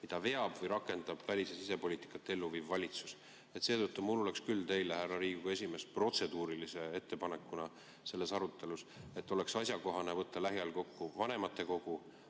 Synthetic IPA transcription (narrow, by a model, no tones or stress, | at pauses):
mid̪̥ɑve̞ɑb̥vɤjɾɑkːˑe̞nd̪̥ɑb̥vælʲisesise̞po̞liːt̪i̥kːˑɑt̪ːeelːuviːvːɑlʲit̪su̥s | e̞t̪se̞ːt̪ɤt̪ːumulo̞le̞kskylt̪e̞jlehærːɑɾiːɡ̥uɡ̥ɑe̞s̬ʲime̞spro̞t̪se̞d̪uːɾilise̞e̞t̪ːe̞pɑne̞kːˑunɑ | se̞lːe̞sɑɾut̪ˑːe̞luse̞t̪ːˑo̞le̞ksɑsʲjɑko̞ɦɑne̞vɤt̪ːɑlæɦjɑlko̞kːuvɑne̞mɑt̪ːˑe̞ko̞ɡ̥u